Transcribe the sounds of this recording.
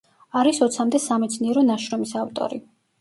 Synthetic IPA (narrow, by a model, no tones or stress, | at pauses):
aɾisɔt̪sʰamd̪ɛsamɛt̪sʰniɛɾɔnaʃɾɔmisavt̪ʼɔ̰ɾi